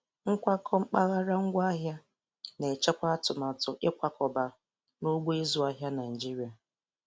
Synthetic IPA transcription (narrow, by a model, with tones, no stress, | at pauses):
ŋ̩˦kʷa˦kʰɔ˦ŋ͡m̩˦k͡pa˦ɣa˦ɾa˦ŋ̩˦ɡʷa˦a˦ɦja˦ | ne˨t͡ʃe˦kʷa˦tʊ˨ma˨tʊ˨ʔɪ˦kʷa˦kʰɔ˨ba˨ | no˦ɡ͡bʷo˦e˦zu˨a˦ɦja˦na˨n˨d͡ʒi˦ɾi˨a˨